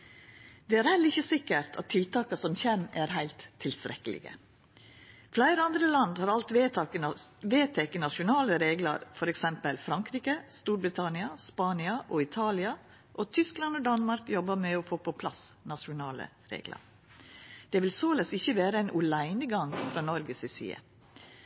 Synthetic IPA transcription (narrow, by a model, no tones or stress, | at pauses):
d̪̥ɛæːɾhɛləɾɪçːəsɪkːəɾt̪ʰɑ̰t̪ʰːɪlt̪ɑːkɑsɔmçɛmæɾhæɪlt̪ʰːɪlst̪ɾɛkːəlɪ̰ɡə̰ | flæɪɾəɑnd̪ɾəlɑnd̪hɑːɾɑlt̪ʋeɑʋeːt̪ʰɛkənɑʂʊnɑːləɾeːɡlə̰ɾfɔɾɛksɛmpəlfɾɑŋkɾiːkəst̪uːɾbɾɪt̪ʰɑnɪɑspɑːnɪɑʔɔɪt̪ʰɑːlɪɑ | ʔɔt̪ʰʏsklɑnod̪ɑnmɑɾkjɔbːəmɛɔfoːpʰɔpʰlɑsnɑʂʊnɑːlə̰ | ɾḛːɡlə̰ɾ | d̪̥ɛːʋɪlsoːləsɪçəʋeːɾəæɪnʔʉlæɪnəɡɑŋfɾɑːnɔɾɡəsɪsḭːə̰